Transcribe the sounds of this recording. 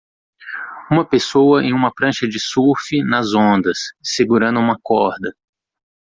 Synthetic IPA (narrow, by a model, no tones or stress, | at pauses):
ũmɐpesowɐḛ̃j̃ũmɐpɾɐ̃ʃɐd͡ʒɪsufinɐzõnd̪ɐsːeɡuɾɐ̃nd̪ʊũmɐkɔɾd̪ɐ